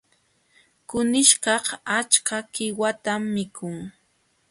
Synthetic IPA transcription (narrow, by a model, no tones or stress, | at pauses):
kʊnɪʃkɑhat͡ʃkakɪwat̪amːɪkʰʊŋ